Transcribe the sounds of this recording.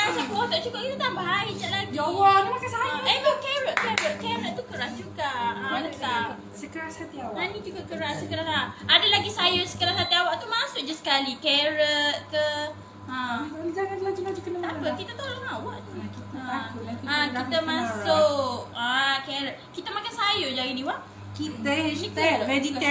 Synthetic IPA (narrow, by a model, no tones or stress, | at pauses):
asakəwat̪aʔt͡ʃuɡaʔkit̪at̪aŋbaɦaid͡ʒaʔlaɡanmakasaajemakɛɾəʔ̚kɛɾəʔ̪̚kɛɾəʔ̚t̪ukəɾahd͡ʒuɡaãaəka | səkəɾasat̪iawaanĩd͡ʒuɡaʔkəɾasəkəɾaaadalaɡisajəsə̥kəɾasat̪iawaʔt̪umasʊʔ̚d͡ʒasə̥kalikɛɾət̪̚kə | əold͡ʒaŋãdlad͡ʒulad͡ʒukənət̪apəʔkit̪at̪olaŋawaʔt̪uakit̪aakʊaãit̪amãsʊkakɛɾət̪̚kit̪amakansajod͡ʒajiniwaʔ | kidaɛit̪aɛdiɛ